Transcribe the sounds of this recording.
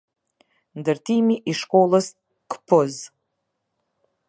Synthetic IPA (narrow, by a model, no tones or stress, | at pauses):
ndɨrtʰimiʔiʂkʷʼowlas | kʰpʰɨz